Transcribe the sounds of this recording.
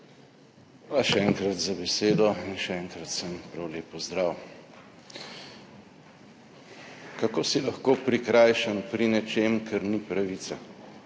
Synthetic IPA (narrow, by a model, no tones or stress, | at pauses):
ʋaʃɛɛŋkɾat̪zabɛseːd̪ɔinʃɛɛŋkɾɐt̪səmpɾawleːpɔzd̪ɾaːw | kakoːsilaxkoːpɾikɾajʃənpɾinɛt͡ʃeːmkʰɛɾnipɾaʋiːt̪sa